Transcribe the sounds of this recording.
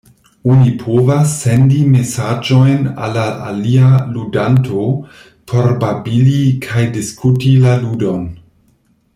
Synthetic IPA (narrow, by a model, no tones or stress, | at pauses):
onipʰovasːendimesad͡ʒo̞jna̰laa̰lialudantʰo | pʰoɾbabilikʰajdiskutilaludon